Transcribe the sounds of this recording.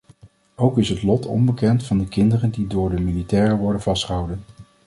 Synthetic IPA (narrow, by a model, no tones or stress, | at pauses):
owkɪsɦətlɔtʰɔ̰mbəkɛntfɑndəkɪndərəndidʊːɹdəmilitɛːɹəʋɔɹdənvɑstχəɦɑwdən